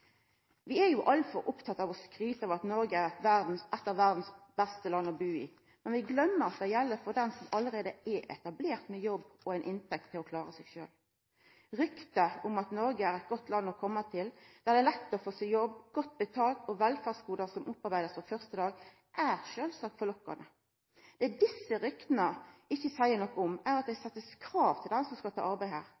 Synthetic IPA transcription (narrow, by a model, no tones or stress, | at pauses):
ʋɪæjʊʔɑlfɔɾʔʊpt̪ʰɑt̪ːɑʋɔskɾyːt̪əøʋɑt̪nɔɾɡəæɾɛt̪ʋæʁd̪n̩sʔɛt̪ːəʋæʁd̪n̩sbæst̪əlɑnːɔbʉːḭː | mɛnʋɪɡlœmːəɾɑt̪̚d̪ɛjɛlːəfɔʁd̪ɛnsɔmɑlːəɾeːd̪əɛʔɛ̰t̪ɑbleːʁt̪mɛjɔbːɔæɪnʔɪnt̪ʰɛk̚t̪ʰːɪlɔkʰlɑːɾəsɛɡʃø̰ːl | ɾʏkt̪əʊmɑt̪nɔɾɡəæɾɛt̪̚ɡɔt̪ːlɑnːɔkʰɔmːət̪ʰɪld̪̥æʁd̪ɛːlɛt̪ːɔfoːsɪjɔbɡ̥ɔt̪̚ːbɛt̪ʰɑːlt̪ɔʋɛlfɑːʁskuːd̪ɑsɔmʔʊpːɑɾbæɪd̪əsfɔfœʁst̪əd̪ɑːɡ | ʔæʁʃøːlsɑːkfɔlɔkːɑ̰nə | d̪̥ɛd̪ɪsːəɾʏkt̪nəɪçːəsæɪənɔkːɔʊmæʁɑt̪̚d̪ɛɪsɛt̪ːəskʰɾɑːʋt̪ʰɪld̪ɛnsɔmskɑlt̪ʰɑ̰ːɑɾbæɪhæːʁ